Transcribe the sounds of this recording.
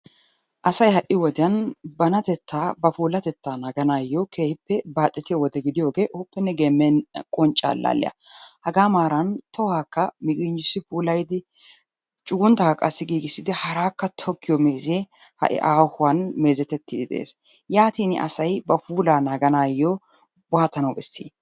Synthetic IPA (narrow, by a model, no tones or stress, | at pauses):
ʔɐsɐjhɐʔɪwɔd̪ɛɐnbɐnɐt̪ɛt̪ːaːbɐfuːlɐt̪ɛt̪ːaːnaːɡɐnaːjːokʰeːhɪpːɛbaːt̪ʼːɪt̪ɪjwɔd̪ɛɡɪd̪ɪjoːɡe̞ːʔʊpːɛnːɛɡemːɛnkʼɔnt͡ʃʼːa̰ːlːa̰ːlːɛ̰jɐ̰hɐɡaːmaːɾɐnt̪ɔwaːkːɐmɪkʼɪnd͡ʒɪsːɪfuːlɐjd̪ɪ | t͡ʃʼʊɡʊnt̪ːɐkɐkʼɐsːɪɡiːɡɪsːɪd̪ɪhɐɾaːkːɐt̪ʰɔkːɪjɔmeːzeː | hɐ̰ʔɪ̰ʔaːhʊwanme̞ːzɛt̪ːɛt̪ːɪd̪ɪd̪ɛ̰ʔḛːs | jaːt̪iːnɪ̰ʔɐ̰sɐjbɐfuːlaːnaːɡɐnaːjːoː | bʊaːt̪ːɐnɐwbɛsːḭː